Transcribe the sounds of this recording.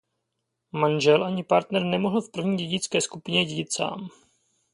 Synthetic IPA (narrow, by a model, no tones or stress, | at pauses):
manʒɛlʔaɲɪpaɾt̪nɛɾnɛmoɦl̩fpr̩vɲiːɟɛɟɪt͡skɛːskupɪɲɛɟɛɟɪt̪sa̰ːm